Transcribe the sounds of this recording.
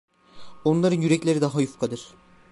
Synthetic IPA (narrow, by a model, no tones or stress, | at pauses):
o̞nlˠaɾɯnjyɾɛclʲeɾid̪aɦajufkʰad̪ɯɾ̥